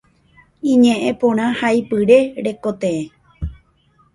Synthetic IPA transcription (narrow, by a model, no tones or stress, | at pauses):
ĩɲẽʔẽpõɾ̃ãhajpɨɾe̞ɾe̞kot̪ẽẽ